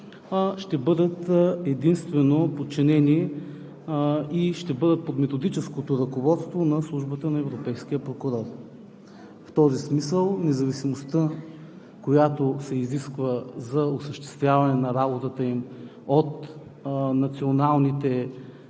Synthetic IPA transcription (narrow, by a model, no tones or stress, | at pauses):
ʃt̪ɛbɤd̪ət̪ɛd̪inst̪vɛnopot̪̚t͡ʃinɛni | iʃt̪ɛbɤd̪ət̪̚pot̪mɛt̪od̪it͡ʃɛskot̪oɾɐkovɔt̪st̪vonɐslˠuʒbət̪ənɐɛvɾopɛjskiəpɾokʊɾɔɾ | ft̪ɔzismisəlˠnɛzɐvisimost̪ə | kojat̪osɛiziskvəzɐosəʃt̪ɛ̥st̪vʲjavɐnɛnɐɾabot̪ət̪əim | ot̪ | nɐt̪sionalˠnit̪ɛ